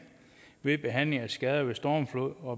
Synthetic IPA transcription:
ʋe̝b̥e̝ɦæn̰le̝ŋæsɡ̥ɛð̞ˠɐʋe̝sd̥ɒːmflo̝ðˠɒ̽

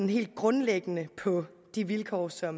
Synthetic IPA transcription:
nɦe̝̰ːld̥̚ɡ̥ʁɔ̽nleɡ̥ənəpʰɒ̽ | d̥iʋilkʰɒ̰ːsɒ̽m

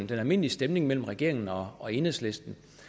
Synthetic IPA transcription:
n̩d̥enælme̝n̰lisd̥emne̝ŋmel̰m̩ʁɛɡ̥e̝ɐ̰e̝ŋn̩ɒ̽ɒ̽e̝ːneslesd̥n̩

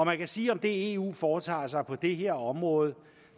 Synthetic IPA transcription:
ɒ̽mænkæsiːɒ̽md̥e̝e̝ṵːfɒːt͡sʰɑ̰̈ːs̬ɑ̈ɪpʰɒ̽d̥e̝ɦe̝ɐ̰ɒ̽mʁɔ̽ːð̞̩ˠ

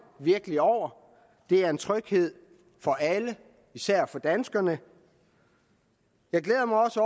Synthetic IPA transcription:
ʋiɐɡ̥əliɒʊ̰ɐ | d̥e̝æɐe̝nt͡sʰʁœɡ̥he̝ð̰ˠ | fɒ̽ʔælə | isæɐ̰fɒ̽d̥ænsɡ̥ɐnə | jɑ̈ɪɡ̥leːðˠɐmɑ̈ɪɒ̽səɒ

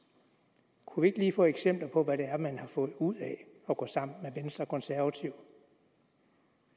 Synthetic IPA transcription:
kʰuʋie̝ɡ̥liːfɔ̰̽ːeɡ̥sem̰b̥lɐpʰɒ̽ʋæɾ̥e̝æɐmænhɑ̈fɔ̽ð̩ˠuð̰ˠɛ | ɒ̽ɡ̥ɔ̰̽sɑ̈m̰n̩meʋensd̥ʁɐkʰɔ̽nsæɐʋæt͡sʰiʊ̰

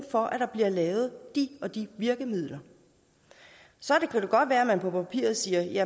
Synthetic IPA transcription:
fɒ̽ʔæd̥ɑ̈b̥liɐ̰lɛːʊð̞̩ˠd̥iɒ̽d̥iʋiɐɡ̥əmið̞̰ˠlɐ | sɒ̽d̥ekʰæd̥e̝ɡ̥ɒ̽d̥ʋæːɐæmænpʰɒ̽pʰæpʰḭːɐð̩ˠsiːɐjæ

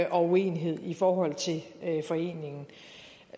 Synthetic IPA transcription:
ʔɒ̽ue̝̰ːniɦe̝ð̞̰ˠifɒːɦɒ̽l̰t͡sʰe̝lfɒ̽e̝̰ːne̝ŋn̩

